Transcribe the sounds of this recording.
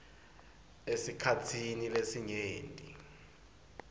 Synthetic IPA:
esikʰatʰinilesiɲeːntʼḭ

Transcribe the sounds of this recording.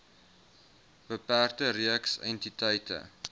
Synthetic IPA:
b̥əpæːrtəɾiəksɛ̰ntitəjtə̰

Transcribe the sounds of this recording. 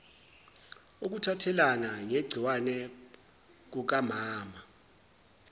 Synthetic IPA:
uk̬utʰatʰɛlanaŋeɡ͡ǀʱiwanɛ | k̬uk̬amaːma

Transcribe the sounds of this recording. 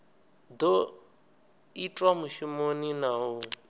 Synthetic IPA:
d̪o | itʼwamuʃumoninaːɦu

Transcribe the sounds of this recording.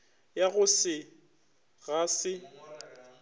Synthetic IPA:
jaɣʊsɪ | ɣasɪ

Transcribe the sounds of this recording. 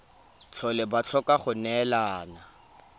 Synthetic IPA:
t͡ɬʰɔlɪbat͡ɬʰɔkʼaχʊnɛlaːna

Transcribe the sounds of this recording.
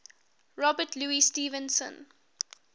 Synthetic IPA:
ɹɔbətʰluːistiːvə̃nsə̰̃n

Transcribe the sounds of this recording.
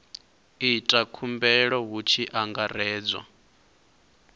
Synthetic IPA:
itʼakʰumbɛɺɔɦut͡ʃʰiʔaŋɡarɛːd͡zwa̰

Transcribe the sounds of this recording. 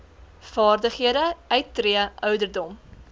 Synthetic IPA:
fɑːrdəχɦiədəœɥtːriəʔœɥdərdɔm

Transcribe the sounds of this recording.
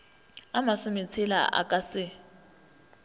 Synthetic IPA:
amasʊmit͡sʰila̰ʔa̰kʼasɪ

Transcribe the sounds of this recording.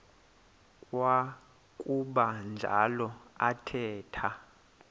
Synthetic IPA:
kʼwa | kʼuɓand͡ʒʱa̰lɔatʰɛːtʰa

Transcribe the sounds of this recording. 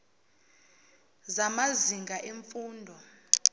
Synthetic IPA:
zamaziŋɡʱaʔeɱfuːndʱɔ

